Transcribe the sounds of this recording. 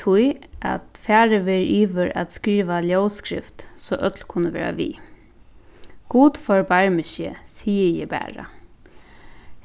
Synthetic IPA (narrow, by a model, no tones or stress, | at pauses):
ʊjʔa̰t̪fæːɾəʋeɾʔiːʋəɾa̰t̪skɾiːʋaljowskɾɪ̰ft̪sɔʔœt̪lkʰʊnːəʋḛːɾa̰ʋḭː | ɡ̥uːt̪fɔɹbaɹmɪʃə̰siːəjɛbæ̰ːɹa̰